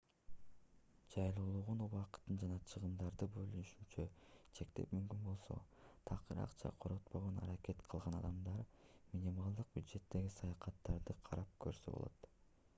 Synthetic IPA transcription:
d͡ʒɑjlˠuːlˠuʁunuβɑqt̪ːɯnd͡ʒɑnɑt͡ʃʰɯʁɯmd̪ɑɾd̪ɯbø̞lynyʃynt͡ʃøt͡ʃʰe̞kt̪e̞̰pmymkynbo̞lˠso̞̰t̪ʰɑqɯɾɑ̰qt͡ʃʰɑ̰qʰo̞ɾot̪po̞ʁonɑ̰ɾake̞t̪qʰɯlˠʁɑnɑd̪ɑmd̪ɑɾmʲinʲimɑlˠd̪ɯq̚bʲjud̪ʒe̞t̪ːe̞ɡisɑjɑqɑt̪ːɑɾd̪ɯqʰɑɾʔɑp̚kʰø̞̰ɾsøbo̰lˠo̰t̪

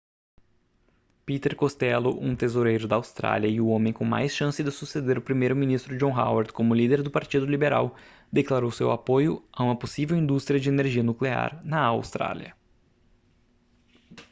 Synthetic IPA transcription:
pit̪eɾkost̪ɛlʊʔṵ̃t̪ezoɾejɾʊd̪ɐawst̪ɾa̰liɐɪʊõmẽj̃kõma̰jsʃɐ̃sɪd̪ɪsused̪eɾʊpɾimejɾʊminist̪ɾʊd͡ʒõɦa̰wɐɾt̪kõmʊlid̪eɾd̪ʊpaɾt͡ʃid̪ʊlibeɾa̰w | d̪eklaɾowsewapojʊ̰aũmɐposivewĩnd̪ust̪ɾijɐd͡ʒɪeneɾʒiɐnuklea̰ɾnɐawst̪ɾa̰liɐ̰

